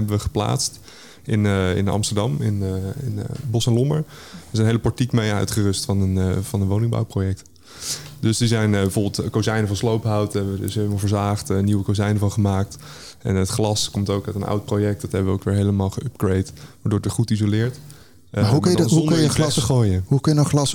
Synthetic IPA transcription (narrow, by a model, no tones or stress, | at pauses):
ɛbəʋəχə̥pla̰ːtst | ɪnɪ̰nɑ̰mstəɹdɑmɪnɪnbɔsɛnlɔməɹ | ɛsɛnɦejləpɑɹtikmejœ̰ɥtχərʏstfɑnənvɑnənʋownɪŋba̰wprojɛk̚t | dɵsdizɛjnbəvoːɹbəlˠtkowzɛjnəvɑnslowpɦawtɛbəə̰sɛmvəɹzaːχtəniwəkozɛjnəvɑnχəmaːk̚t | ʔɛ̰nətχlɑskɔmtowkœɥtənɑ̰wt̚projɛk̚tdɑtɦɛbəʋəo̰ʊwkʋɪːɹɦejləmaːlˠχəɵp̚ɡɹejtʋaːɹdʊːɹtəχutizolɪːɹt | maɦuunkɑlsəχoːjəɦukɑjənɔχlɑs